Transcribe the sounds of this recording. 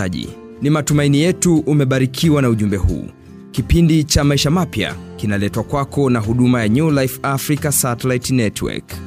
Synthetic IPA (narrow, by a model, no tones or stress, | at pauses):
aʄḭ | nimatumainijɛtuʔːmɛɓaɾikʰiwanauʄumbɛhṵː | kipindit͡ʃamaiʃamapja̰kinalɛtwakwakɔnaɦuɗumajaɲulaifafɾikasatɛlaitnɛtwɛ̰k